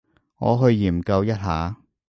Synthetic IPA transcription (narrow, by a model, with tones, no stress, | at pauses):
ŋɔː˨˧ɦɵ˧ɥjiː˨˩mkɐ˧wjɐ˥t̚ɦaː˨˥